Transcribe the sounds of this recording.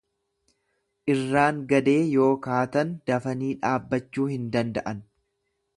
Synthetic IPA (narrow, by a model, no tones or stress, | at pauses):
ʔɪrːaːŋɡɐd̪e̞ːjo̞ːkaːt̪ɐnd̪̥ɐfɐniːᶑaːbːɐt͡ʃːuːhɪnd̪ɐnd̪ɐʔɐn